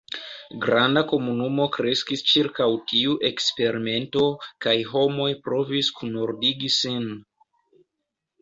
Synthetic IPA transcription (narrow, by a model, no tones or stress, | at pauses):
ɡɾandako̞munumo̞kɾe̞skist͡ʃiɾkawtiuʔe̞kspe̞ɾime̞nto̞kajɦo̞mo̞jpɾo̞viskunoɾdiɡisin